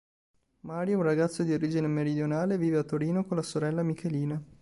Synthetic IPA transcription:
maːɾjounraɡat̪sːod̪ioɾiːd͡ʒinemeɾid̪jonaːleviːveat̪ːoɾiːnokonlasoɾɛlːamikʰeliːna

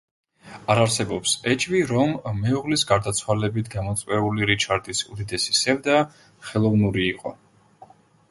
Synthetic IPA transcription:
aɾaɾsɛbɔpsɛt͡ʃʼviɾɔmːɛuʁlisɡaɾd̪at̪sʰwalɛbit̪ʰɡamɔt̪sʼvɛuliɾit͡ʃʰaɾd̪isud̪id̪ɛsi̥sɛvd̪a | χɛlˠɔvnuɾiːqʼɔ

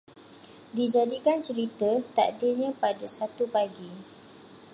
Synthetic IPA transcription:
did͡ʒadikant͡ʃəɾit̪ət̪a̰ʔdiɲãpadasat̪upaɡi

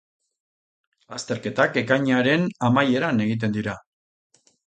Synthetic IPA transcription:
ast̪e̞ɾke̞t̪ake̞kaɲaɾe̞namaje̞ɾane̞ɣit̪̬e̞nd̪iɾa

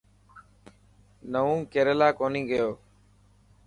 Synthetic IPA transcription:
nəʋũːkeːɾelaːkoːniːɡəjoː

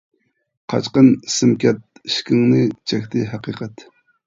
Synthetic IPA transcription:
qʰɑ̰t͡ʃqənsɨmkʲɛt̪̚ʃkʲɪŋnɨt͡ʃʰɛkʲt̪ɪɦɑqiqʰɑt̪

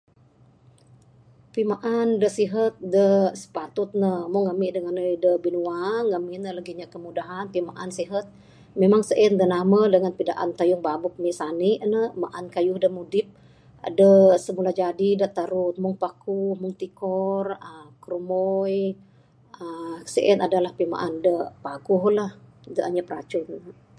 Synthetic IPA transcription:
pimaʔandəsiɦət̪̚dəsə̥pat̪ʊt̪̚nəmʊŋːamiʔdəŋanədəbinuaŋːaminəlaɡiɲakəmudaɦanpimaʔansiɦət̪̚ | memaŋsəʔindənamadəŋanpidaʔa̰nt̪ajʊŋbabʊk̚miʔsaniʔnəmaʔankajʊhdəmudɪp̚ | a̰dəsəmulad͡ʒadidaʔt̪aɾʊt̪̚mʊŋpakumʊŋt̪ikɔrəkəɾumɔj | əsə̰ʔɛnadalahpima̰ʔandəpakuɦlahdəʔaɲapəɾa̰t͡ʃʊn

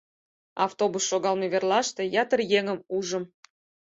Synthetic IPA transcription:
ɑ̰ft̪obusːoɣɑlmeβerlɑʃt̪ejɑt̪ərjeŋəmuʒəm

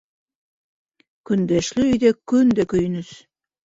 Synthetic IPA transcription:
ky̆nd̪eʃlyyd̪ekynd̪ekøjnɘ̆ʃ

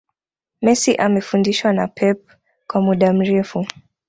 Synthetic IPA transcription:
mɛsiʔamɛfundiʃwanapʰɛp̚ | kwamuɗam̩ɾɛfu

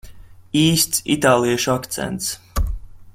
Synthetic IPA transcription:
iːst̪sit̪aːlˠiɛʃuakt̪sɛ̰nt̪s

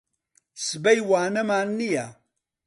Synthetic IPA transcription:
sɨbɐjwaːnɐmaːnːija

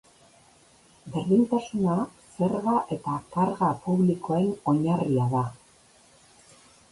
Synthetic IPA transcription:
be̞ɾðint̪asunase̞ɾɣaʔe̞t̪akaɾɣapuβlikoeno̞ɲariaða

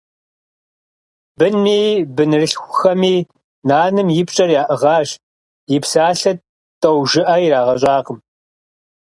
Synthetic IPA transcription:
bɨnmiːbɨnɨrɨɬxʷʊxɐmiː | naːnɨmjɪpɕʼɐrjaːʔɨʁɑːʒ | jɪpsaːɬɐt | tʼɐwʒɪʔɐjiɾaːʁɐɕʼaːqəm

